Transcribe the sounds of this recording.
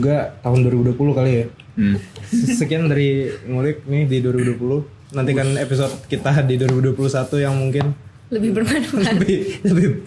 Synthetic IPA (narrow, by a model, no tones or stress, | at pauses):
uɡat̪aɦʊnduaɾibuduapuluhkalija | səkiandaɾiŋulɪk̚nɪhdiduwaɾibuduapulʊh | nant̪ikanepis̬ot̪̚kit̪adiduaɾibuduapulusat̪ujaŋmuŋkɪn | ləbɪhbərmanləbɪləbɪ